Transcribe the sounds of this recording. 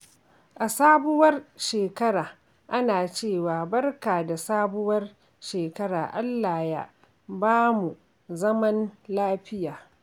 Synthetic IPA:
ʔa˨saː˦bʊ˦wɐ˦rʃeː˨kɐ˦ɽaː˨ | ʔa˦naː˨t͡ʃeː˦˨waː˨bɐ˦rkaː˨da˨saː˦bʊ˦wɐ˦r | ʃeː˨kɐ˦ɽa̰ː˨ʔa˦lːaː˨ja̰˦ | baː˦mu˨ | zɐ˦mɐ˦nlaː˦ɸɪ˦jaː˨

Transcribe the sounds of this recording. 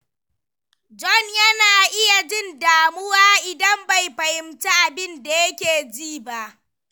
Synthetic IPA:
d͡ʒɔ˦njɐ˦naː˨ʔɪ˦ja˨d͡ʒɪ˦ndaː˨mʊ˦waː˦ʔɪ˨dɐ˦mba˨jɸɐ˨jɪ˨mta˦ʔa˨bɪ˦nda˨jɐ˦kʲeː˨d͡ʒiː˦˨ba˦ʔ

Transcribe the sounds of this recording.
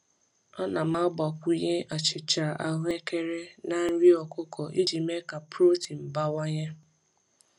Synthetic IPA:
ɔ˦na˨m˦a˦ɡ͡ba˨kʷu˦ɲe˦ʔa˨t͡ʃɪ˨t͡ʃa˨ʔa˦ɦe˦ke˦ɾe˦na˨n̩˦ɾi˦ɔ˨kʊ˦kʰɔ˨ʔi˦d͡ʒi˨me˦ka˨pɾo˦ti˨m̩˨ba˦wa˦ɲe˦

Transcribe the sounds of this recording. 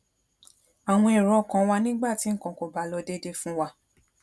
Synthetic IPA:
a˨w̃ɔ̃˧e˨ɾɔ˧˨kã˨˦wa˧nĩ˦ɡ͡ba˦˨ti˨˦ŋ̩˦˨kã˨ko˨ba˨˦lɔ˧de˦de˦fũ˦wa˧

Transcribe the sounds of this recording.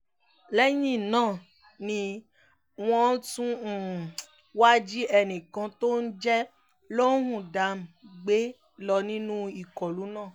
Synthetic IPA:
lɛ˦jĩ˦˨nãː˦˨ | nĩ˧ | w̃ɔ̃˦tũ˦˨ | wa˦d͡ʒi˦ɛ˧nĩ˨kã˧to˦n̩˦d͡ʒɛ˦ | lo˦ɦũ˦˨da˨˦m̩˨ɡ͡be˦ | lɔ˧nĩ˦nũ˦i˨kɔ˨lu˨˦nãː˦˨

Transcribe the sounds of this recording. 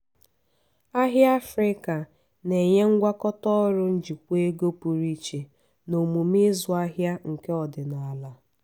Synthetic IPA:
a˦ɦja˦fɾɪ˦ka˨ | ne˨ɲe˦ŋ̩˦ɡʷa˦kɔ˦tɔ˦ɾʊ˦n̩˦d͡ʒi˨kʷe˦ɡo˦pu˨ɾi˦t͡ʃe˨ | no˨mu˨mi˦zʊ˨a˦ɦja˦ŋ̩˨ke˦ɔ˨dɪ˨na˨a˨la˦

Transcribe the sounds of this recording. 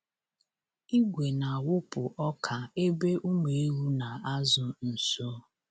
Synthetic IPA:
i˦ɡʷe˨na˨a˨wʊ˦pʊ˨ʔɔ˦kʰa˨e˦be˦ʔu˦me˨e˦ɾu˦na˨a˦zʊ˨n̩˨so˦

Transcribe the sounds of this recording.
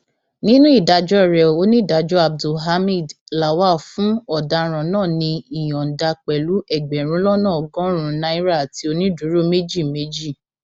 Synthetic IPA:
nĩ˦nũ˦i˦˨da˧d͡ʒɔ˦ɛ˦˨ɾɛ˨o˦nĩ˦˨da˧d͡ʒɔ˦a˨b̚du˨ɦa˧˦mi˦˨dla˨wa˦˨fũ˦ɔ˦˨da˧ɾ̃ɔ̃˨nãː˦˨nĩ˧i˨j̃ɔ̃˨n̩˨da˧k͡pɛ˨lu˨˦ɛ˦˨ɡ͡bɛ˨ɾ̃ũ˨˦lɔ˦nã˦˨ɔ˨ɡɔ̃˦ɾ̃ũ˧nã˦i˦ɾa˦˨ti˧o˧nĩ˦du˨˦ɾo˦me˦d͡ʒi˦˨me˦d͡ʒi˦˨

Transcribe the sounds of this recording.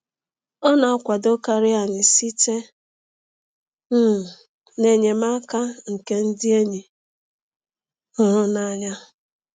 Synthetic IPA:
ɔ˦na˨a˦kʷa˨do˦ka˦ɾɪ˦a˨nɪ˨si˦te˦ | m̩˦˨ | ne˨ɲe˨ma˦ka˦ŋ̩˨ke˦n̩˦dɪ˦e˦ɲe˨ | ʊ˦ɾʊ˦na˨ɲa˦

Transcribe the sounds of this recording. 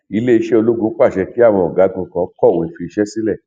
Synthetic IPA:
i˧˦le˦i˧ʃe˦o˧lu˦ɡũ˧˦k͡pa˦˨ʃɛ˧ki˦a˦˨w̃ɔ̃˧ɔ˨ɡa˨˦ɡũ˧kã˧˦kɔ˦˨wẽ˨˦fi˧i˧ʃɛ˦si˦lɛ˦˨

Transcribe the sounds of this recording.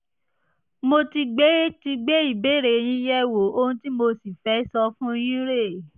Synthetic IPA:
mo˧ti˧ɡ͡be˦e˦ti˧ɡ͡be˦i˦˨be˨˦˨ɾe˨j̃ĩ˧˦jɛ˦wo˨˦o˧hũ˧˦ti˦mo˧si˨fɛ˨˦sɔ˧fũ˦˧j̃ĩ˦ɾe˦˨

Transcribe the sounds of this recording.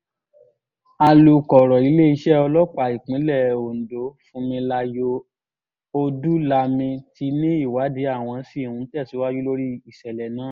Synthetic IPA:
a˧lu˨kɔ˨ɾɔ˨i˨˦le˦i˧ʃɛ˦ɔ˧lɔ˦k͡pa˨i˨k͡pĩ˨˦lɛ˦˨o˨n̩˨do˨˦fũ˦mĩ˧la˧jo˧ | o˧du˦la˧mĩ˧ti˧nĩ˦i˦˨wa˨˦de˨˦a˦˨w̃ɔ̃˧˦si˦˨hũ˧n̩˦tɛ˦˨si˨˦wa˦d͡ʒu˦lo˦ɾi˦i˦˨sɛ˨lɛ˨nãː˨˦

